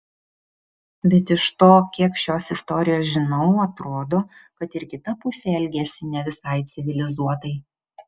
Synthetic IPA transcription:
bʲɛt̪ɪʃt̪oːkʲiɛkʃʲoːsɪst̪ɔːɾʲɪjoːsʒʲɪnɐʊɐt̪ɾoːd̪oːkɐt̪ɪɾkʲɪt̪ɐpʊsʲeɛɛlʲɡʲɛsʲɪnʲɛʋʲɪsɐɪt̪sʲɪʋʲɪlʲɪzuɔt̪ɐɪ

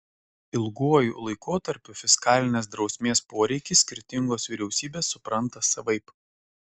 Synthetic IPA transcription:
ɪlˠɡuɔjṵːlˠɐɪkoːt̪ɐɾʲpʲʊfʲɪskɑːlʲɪnʲeːs̬d̪ɾɒʊsʲmʲeːspoːɾʲɛɪkʲɪsːʲkʲɪɾʲt̪ʲɪŋɡoːsʋʲiɾʲɛʊsʲiːbʲeːsːʊpɾɐnˑt̪ɐsɐʋɐɪp

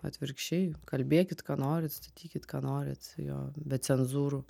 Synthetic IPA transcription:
ɐ̰t̪ʲʋʲɪɾkʃʲt͡ʃʲɛɪkɐlʲbʲeːkʲɪt̪kɑːnoːɾʲɪt̪st̪ɐ̥t̪ʲiːkʲɪt̪kɑːnoːɾʲɪ̰t̪jo̰ːbʲɛt͡ssʲɛnzuːɾʊ

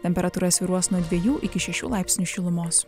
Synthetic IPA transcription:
t̪ʲɛmʲpʲɛɾɐt̪uːɾɐsʲʋʲiːɾuɔsnuɔd̪ʲʋʲiɛjuːʔɪkʲɪʃʲɛʃʲṵːlˠɑˑɪpʲsʲnʲʊʃʲɪlˠʊmoːs

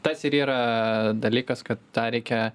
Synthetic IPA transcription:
t̪ɐsɪɾiːɾɐd̪ɐlʲiːkɐskɐt̪̚t̪ɑːɾʲɛɪkʲɛ

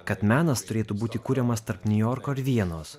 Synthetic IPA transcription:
kɐt̪mʲæːnɐst̪ʊɾʲeːt̪ubuːt̪ʲɪkuːɾʲɛmɐst̪ɐɾpnʲʊjɔːɾkoːɪɾʋʲiɛnoːs

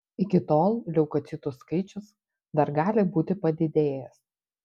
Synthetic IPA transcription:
ɪkʲɪt̪oːlˠlʲɛʊkɐt̪sʲɪt̪ʊskɐɪt͡ʃʲʊs | d̪ɐɾɡɑːlʲɪbuːt̪ʲɪpɐd̪ʲɪd̪ʲeːjɛs

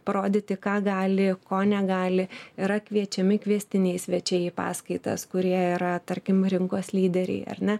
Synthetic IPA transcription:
pɐɾoːd̪ʲiːt̪ʲɪkɑːɡɑːlʲɪkoːnʲɛɡɑːlʲɪɪɾɐkʋʲiɛt͡ʃʲɛmʲɪkʋʲiɛsʲt̪ʲɪnʲɛɪsʲʋʲɛt͡ʃʲɛɪpɑ̰ːskɐɪt̪ɐ̰skʊɾʲiɛiɾɐt̪ɐɾʲkʲɪmɾʲɪŋkoːslʲiːd̪ʲɛɾʲɛ̰ɪɐ̰rʲnʲɛ

